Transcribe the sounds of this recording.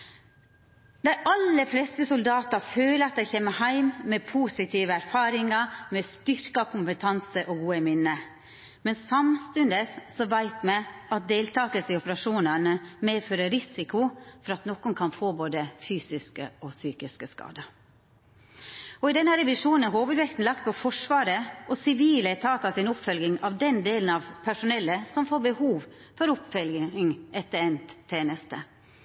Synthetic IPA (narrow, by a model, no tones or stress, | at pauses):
d̪æɪʔɑlːəflɛst̪əsʊld̪ɑːt̪ɑɾføːləɑt̪̚d̪æɪçɛːmːəhæɪmmepʰuːsɪt̪ʰiːʋəæɾfɑːɾɪŋɑmɛst̪ʏɾkɑkʰʊmpət̪ʰɑnsəʔɔɡuːəmɪnːə | mɛnsɑmst̪ʉnd̪əsːɔʋæɪt̪mɛɑt̪̚d̪eːlt̪ʰɑːkəsɪɔpəɾɑʂuːnənəmeːføːɾəɾɪsɪkʊfɔɾɑt̪nɔkʊnkʰɑnfoːboːd̪əfyːsɪskə̰ɔsyːkɪskəskɑ̰ːd̪ə | ɔɪd̪ɛnːəɾɛʋɪʂuːnn̩æɾɦoːʋʉd̪ʋɛkt̪n̩lɑkt̪̚pʰɔfɔʂʋɑːɾəʔɔsɪʋiːlæɪt̪ʰɑːt̪ɑsɪnʊpfœlɡɪŋɑʋd̪ɛnd̪eːln̩ɑʋpʰæʂʊnɛlːəsɔmfoːɾbəhuːʋ | fɔɾʊpfœlɡɪŋʔɛt̪ːəɾɛnt̪ʰːeːnəst̪ə